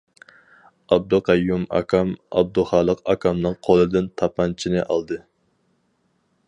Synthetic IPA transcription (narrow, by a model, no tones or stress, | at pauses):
ɑb̚d̪uqɑjːumɑ̰kʰɑmɑ̰b̚d̪uχɑːlˠəqɑkʰɑmnɨŋqʰolˠɨd̪ɪnt̪ʰɑpɑnt͡ʃʰinɨʔɑ̰lˠd̪ɨ